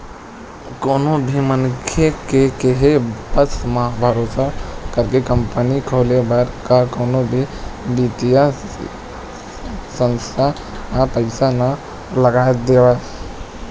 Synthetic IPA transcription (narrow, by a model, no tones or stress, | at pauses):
koːnobʱimənkʰekekeɦebəsmãbʱəɾosakəɾkekəmpənikʰolebəɾkakoːnobʱibit̪ija | sənst̪ʰa | apəɪsana | ləɡad̪eba